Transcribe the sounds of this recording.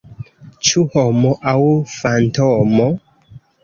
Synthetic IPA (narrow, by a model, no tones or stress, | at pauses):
t͡ʃuhɔmɔʔawfantomo